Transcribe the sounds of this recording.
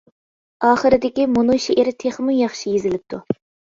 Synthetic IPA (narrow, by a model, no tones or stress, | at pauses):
ɑːχɨɾɪd̪ɪkʲimunujʃeʔɪɾt̪ʰeχmunjɑχʃijezɪlɪp̚t̪ʰu